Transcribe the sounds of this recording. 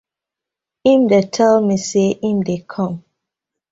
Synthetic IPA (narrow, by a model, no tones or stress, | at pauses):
ĩmdetʰɛlmiseʔĩmdekʰɔ̃m